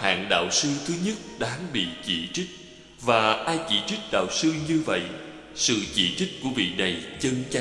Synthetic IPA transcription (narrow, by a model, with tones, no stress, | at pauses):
ha̰ː˧˨nɗa̰ː˧˨wsɨ˧t̪ʰɨ˨˦ɲə˦˥t̚ɗaː˨˦ŋɓḭ˧˨t͡ɕi˧˩t͡ɕï˦˥t̟̚ | vaː˨˩ʔaː˧jt͡ɕi˧˩t͡ɕi˦˥t̟̚ɗa̰ː˧˨wsɨ˧ɲɨ˧və̰˧˨j | sɨ̰˧˨t͡ɕḭ˧˩t͡ɕï˦˥t̟̚ku˧˩əɓḭ˧˨na˨˩jt͡ɕə˧nt͡ɕa˧